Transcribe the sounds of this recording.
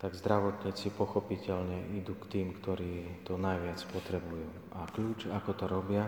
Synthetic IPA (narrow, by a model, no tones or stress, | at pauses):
t̪aɡzd̪ɾaʋɔt̪ɲiːt͡sipɔxɔpicɛʎɲɛʔid̪uːkt̪iːmkt̪ɔɾiːt̪ɔnajʋɪat͡spɔt̪ɾɛbujuː | akʎuːt͡ʃakɔt̪ɔɾɔbɪa